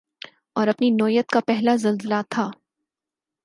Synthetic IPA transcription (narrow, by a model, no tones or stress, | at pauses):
ɔːɾɐpninɔːjət̪kapɛɦlazɐlzəlat̪ʰaː